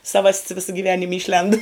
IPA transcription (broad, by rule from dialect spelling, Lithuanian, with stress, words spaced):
ˈsɑːʋɐsʲtʲs ˈʋʲɪsɐ ɡʲiːˈʋʲæːnʲɪm ˈiːʃʲlʲɛnt